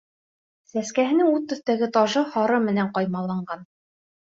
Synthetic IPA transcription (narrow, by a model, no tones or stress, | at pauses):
sæskæɦɘ̆nɘŋuðt̪ːɵ̆θt̪æɡɘt̪ɑʒɤhɑɾɤmɘ̆næɴqɑjmɑlˠːɑɴɢɑn